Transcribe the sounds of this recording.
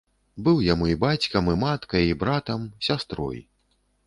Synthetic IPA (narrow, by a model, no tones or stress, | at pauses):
bɨwjamuibat͡sʲkɐmɨmat̪kɐjibɾat̪ɐmsʲast̪ɾɔ̰j